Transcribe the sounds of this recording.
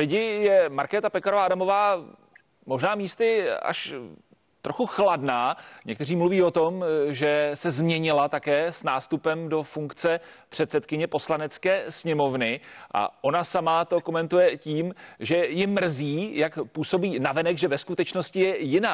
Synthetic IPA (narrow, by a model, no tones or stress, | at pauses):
lɪɟɪjɛmaɾkɛːt̪apɛkaɾovaʔadamo̞vaː | mo̞ʒnaːmiːst̪ɪa̰ʃ | t̪ɾoxuxladnaːɲɛk̚t̪ɛriːmluviːo̞t̪o̞mʒɛsɛzmɲɛɲɪlat̪akɛːsnaːst̪upɛmdo̞fuŋkt͡sɛpr̥ɛt̪sɛt̪kɪɲɛpo̞slanɛt͡skɛːsɲɛmo̞vnɪʔa̰ʔo̞nasamat̪o̞ko̞mɛnt̪ujɛciːmʒɛjɪmːr̩ziːjakpuːso̞biːnavɛnɛɡʒɛvɛskut̪ɛt͡ʃnoscɪjɛjɪnaː